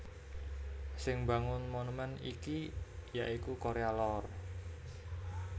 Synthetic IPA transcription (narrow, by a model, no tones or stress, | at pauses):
sɪŋba̤ŋʊnmonumɛnḭkijaʔikukoɾealɔr